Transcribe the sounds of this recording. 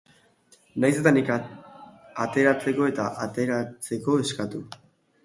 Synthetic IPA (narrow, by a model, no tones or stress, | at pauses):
najs̬e̞t̪anika | at̪e̞ɾat͡se̞ko̞e̞t̪a̰ʔat̪e̞ɾat͡se̞ko̞eskat̪u